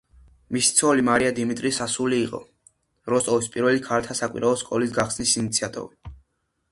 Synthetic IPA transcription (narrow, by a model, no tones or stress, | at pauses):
misi̥t̪sʰɔlimaɾiad̪imit̪ʼɾisasuliːqʼɔ̰ | ɾɔst̪ʼɔvispʼiɾvɛlikʰaɾt̪ʰasakʼwḭɾʔaɔskʼɔlisɡaχsnisinit̪sʰiat̪ʼɔ̰vi